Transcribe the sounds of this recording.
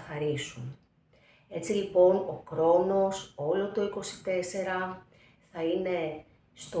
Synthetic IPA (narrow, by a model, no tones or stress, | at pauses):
xɐɾisun | e̞t͡silipo̞no̞kɾo̞no̞so̞lo̞t̪o̞iko̞si̥t̪e̞se̞ɾɐ | θɐine̞ | st̪o